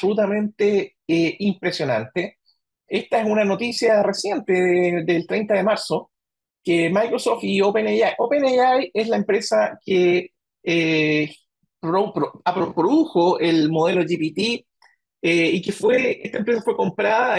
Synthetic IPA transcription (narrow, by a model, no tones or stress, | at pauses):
solut̪amẽ̞nt̪e | eimpɾe̞sjo̞na̰nt̪e | est̪aesunanot̪isjare̞sje̞nt̪eðelt̪ɾejnt̪aðe̞maɾso | kemajkɾosoft̪iopenejaʔopenejajeslaempɾesake | e | pɾopɾoapɾopɾoðuxoelmoðe̞loʝipit̪i | eikefweet̪aempɾes̬afweko̞mpɾaða